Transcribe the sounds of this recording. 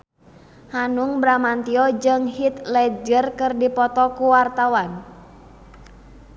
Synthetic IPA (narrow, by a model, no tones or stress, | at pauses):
hanuŋbɾamant̪iɔd͡ʒɨŋhit̪lɛd͡ʒərkɨrdipɔt̪ɔkuwart̪awan